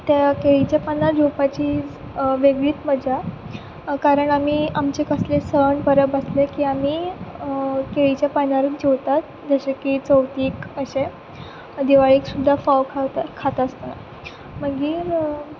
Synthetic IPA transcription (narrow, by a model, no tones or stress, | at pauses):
t̪jakeɭit͡ɕjapənaɾd͡ʑʱopat͡ɕiː | ʋeɡɭiːt̪məd͡ʑa | kaɾəɳamiːamt͡ɕekəslesəɳpəɾəbəslekiːamiː | keɭit͡ɕjapanaɾət͡sd͡ʑeʋt̪at̪̚ | d͡zəɕekiːt͡səwt̪iːkəɕe | d̪iʋaɭiːksud̪ʱːafawk̪ʰkʰːat̪əst̪ona̰ | məɡiːɾ